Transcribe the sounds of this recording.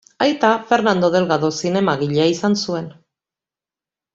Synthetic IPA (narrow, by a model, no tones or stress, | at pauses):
ajt̪afe̞ɾnand̪o̞ðe̞lɣaðo̞sine̞maɣiʎaisansue̞n